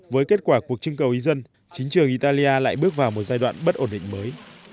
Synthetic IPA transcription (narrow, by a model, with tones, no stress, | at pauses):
vəː˨˦jke˦˥t̚kwaː˧˩ku˨˩ək̚t͡ɕɨ˧ŋkə˨˩wʔi˨˦zə˧n | t͡ɕï˨˦ŋ̟t͡ɕɨ˨˩əŋʔi˧˩t̪aː˧li˧ʔaː˧la̰ː˧˨jɓɨ˦˥ək̚vaː˨˩wmo˨˩t̚zaː˧jɗwa̰ː˧˨nɓə˦˥t̚ʔo˧˩nɗḭ̈˧˨ŋ̟məː˨˦j